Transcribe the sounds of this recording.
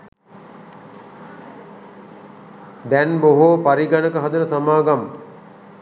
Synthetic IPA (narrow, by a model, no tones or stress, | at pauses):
d̪ɛnboɦopaɾiɡanəkəɦad̪unəsamaːɡamːə